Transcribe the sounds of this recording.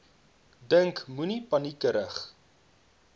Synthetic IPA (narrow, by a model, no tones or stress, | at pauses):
dəŋkmunipɐnikəɾəχ